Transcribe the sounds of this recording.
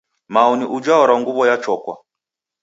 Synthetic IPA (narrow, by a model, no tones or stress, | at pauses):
mauniʔud͡ʒaɔɾaŋɡuβɔjat͡ʃɔkwa̰